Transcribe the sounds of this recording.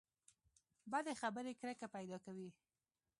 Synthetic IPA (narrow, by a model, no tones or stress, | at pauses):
bad̪exabəɾekɾəkapajd̪ɑkawi